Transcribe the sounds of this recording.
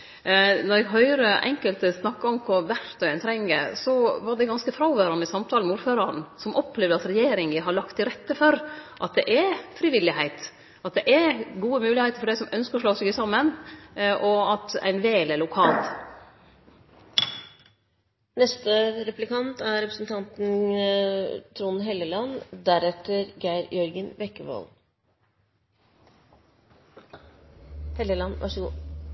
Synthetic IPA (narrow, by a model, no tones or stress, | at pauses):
nɔɾɛɡɦœʏɾəʔɛ̰ŋkəlt̪snɑkːɑɔmkʰʊɾʋæɾt̪ɔæɪnt̪ʰɾɛŋːə̰sɔʋɑɖɛɡɑnskəfɾɑʊʋøːɾɑnəsɑmt̪ʰɑːlmuːɾføːɾəɾnsɔmʔɔpʰːleːʋd̪əɾɑt̪ɾɛjeːɾɪŋəɦɑɭɑkt̪ɪɾɛt̪ːəfɔɾʔɑt̪̚d̪ɛʔɛfɾiːʋɪlːɪhæɪt̪ | ɑt̪̚d̪ɛʔɛɡuːəmʉːlɪhæɪt̪əɾfɔɖæɪsɔmœnskəɾɔʂɭɑːsɛɡəsɑmːənʔɔɑt̪æ̰ɪnʋeːləɭʊkʰɑːl | nɛst̪əɾɛplɪkɑnt̪æɾɛpɾəsn̩t̪ʰɑnt̪n̩ | t̪ʰɾuːnɦɛləlɑnd̪æɾɛt̪əɾɡæɪɾjœɾɡənʋɛkːəʋɔ̰l | hɛləlɑnʔɑ̰ʂəɡṵː